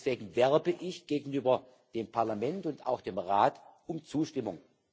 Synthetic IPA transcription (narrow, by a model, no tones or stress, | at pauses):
sv̥eːɡŋ̩vɛɐbəʔɪçɡ̥eːɡŋ̩yːbɐ | d̥eːmpʰaɐlamɛntʊnta̰ʊxd̥eːmʁaːtʊmt͡suːʃtɪmʊŋ